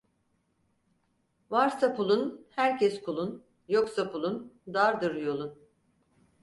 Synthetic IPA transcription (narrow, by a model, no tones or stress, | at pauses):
vaɾsapʰulˠunhæɾcʰɛskʰulˠun | joksapʰulˠund̪aɾd̪ɯɾjo̞lˠun